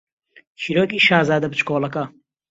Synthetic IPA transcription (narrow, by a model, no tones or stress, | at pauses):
t͡ʃʰiɾoːkiːʃaːzaːd̪ɐbɨt͡ʃkoːlɐkɐ